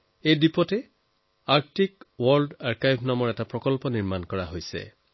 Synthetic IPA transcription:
ejdipɔtɛ | aɹk̚tikwɔɹdaɹkajbʱnamɔɹɛtapɹɔkɔlpɔniɹmankɔɹaɦojsɛ̰

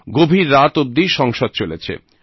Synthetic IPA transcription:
ɡobʱiɾːat̪ob̚d̪iʃɔŋʃod̪̚t͡ɕolet͡ɕʰḛ

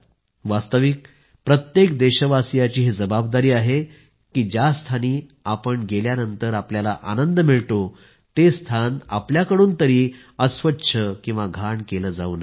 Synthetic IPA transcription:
ʋast̪əʋik̚ | pɾət̪jekd̪eɕəʋasijat͡ɕiːɦed͡zəbab̚d̪aɾiːaɦe | kiːd͡ʑast̪ʰaniːapəɳɡeljanənt̪əɾapljalaʔa̰nənd̪əmiɭʈ̪o | t̪est̪ʰana̰pljakəɽuːnt̪əɾiː | əsʋətːɕʰəkĩw̃ʋaɡʱaɳkeləːd͡zauːnaɦ

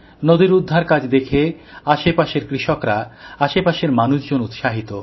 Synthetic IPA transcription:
nod̪iɾud̪ʱːaɾkad͡ʑd̪ekʰeaʃepaʃeɾkɾiʃokɾaaʃepaʃeɾmanuʃd͡ʑonut̪ʃaɦit̪o

